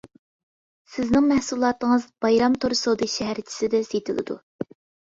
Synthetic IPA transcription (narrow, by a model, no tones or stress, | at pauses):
sɪznɪŋmɛhsulˠɑːt̪əŋəzb̥ɑjɾɑmt̪ʰoɾsod̪ɨʃɛɦæɾt͡ʃʰi̥sɪd̪ɛsejt̪ʰɪlˠɨ̰d̪ṵ